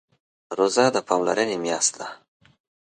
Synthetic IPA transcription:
ɾozad̪əpʰɑmlaɾənemjɑst̪d̪a

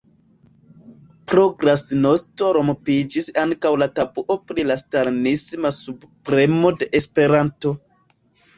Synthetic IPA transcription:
pɾoɡɾasnostoɾo̞mpid͡ʒisaŋkawlatabuʔo̞pɾilastaɾnismasubpɾe̞mo̞de̞ʔespe̞ɾanto̞

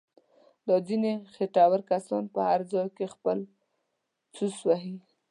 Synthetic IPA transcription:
d̪ɑd͡zinexeʈawaɾkasɑnpəhaɾd͡zɑjkexpəl | t͡suswaɦi

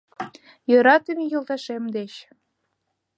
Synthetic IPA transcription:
jøɾɑt̪əmʲijolt̪ɑʃemd̪et͡ɕ

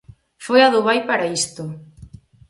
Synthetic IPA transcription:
fojaðʊβajpaɾaist̪ʊ

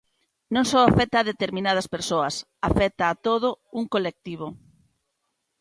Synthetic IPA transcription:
nõŋsɔwafɛt̪ɐːðet̪eɾmĩnað̞ɐspeɾsoɐs | afɛt̪aːt̪oðʊuŋkolek̚t̪iβ̞o

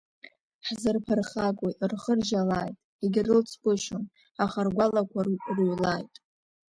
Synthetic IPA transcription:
ħzɨrpʰarχakʼorχərʒalajtʼ | eɡʲɪrɨlt͡sʰkʷʼʊʃon | aχarɡʷalakʷʰaruɥlajtʼ

